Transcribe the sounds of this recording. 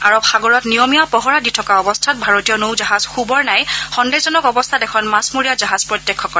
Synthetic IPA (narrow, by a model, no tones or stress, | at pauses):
aɹɔpxaɡɔɹɔtnijɔmijapɔɦɔɹaditʰɔkaɔbɔstʰat̚bʱaɹotijɔnowzaɦazxubɔɹnajxɔndezɔnɔkɔbɔstʰatɛkʰɔnmasmoɹijazaɦazpɹɔtjɛkʰːɔkɔɹɛ